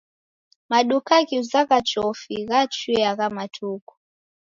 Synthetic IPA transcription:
maɗukaɣiuzaɣat͡ʃɔfiɣat͡ʃiaɣamatʰuku̥

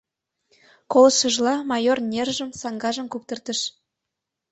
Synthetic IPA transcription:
kolɤʃə̆ʒlˠɑmɑjornʲerʒə̆msɑŋɡɑʒəmkuk̚t̪ə̆rt̪ə̆ʃ

